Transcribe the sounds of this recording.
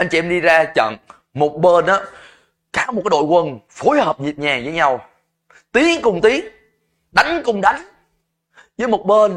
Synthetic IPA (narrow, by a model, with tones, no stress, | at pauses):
ʔa˧jŋ̟t͡ɕi˧ʔɛ˧mɗi˧zaː˧t͡ɕə̰˧˨n | mo˨˩t̚ɓəː˧nʔaː˨˦ | kaː˨˦˥wmo˨˩aː˨˦ɗo̰˧˨jkwə˧nfo˨˦jhəː˨˩p̚zi˨˩p̚ɲaː˨˩zəː˨˦jɲa˧w | t̪i˨˦ənkʊ˨˩wŋ͡mt̪i˨˦ən | ɗa˨˦jŋ̟kʊ˧wŋ͡mɗa˨˦jŋ̟ | zəː˨˦jmo˨˩t̚ɓəː˧n